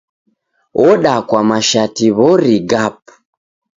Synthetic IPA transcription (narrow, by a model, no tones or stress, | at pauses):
ʔɔɗakwamaʃatiβɔɾiɡapu̥